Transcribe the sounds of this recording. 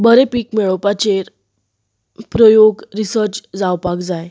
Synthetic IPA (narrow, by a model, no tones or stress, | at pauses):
bəɾepiːkmɛɭopat͡ɕeɾ | pɾɔjoɡɾisəɾt͡ɕd͡zawpakd͡zaj